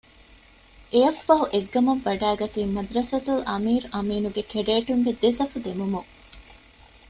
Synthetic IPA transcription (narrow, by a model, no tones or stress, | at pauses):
ʔejɐfːɐɦuʔeɡːɐmɐʋːɐɖæːɡɐt̪iːmɐd̪ɾɐsɐt̪ulʔɐmiːɾɐmiːnuɡekeɖeːʈuŋɡed̪esɐfud̪emumuŋ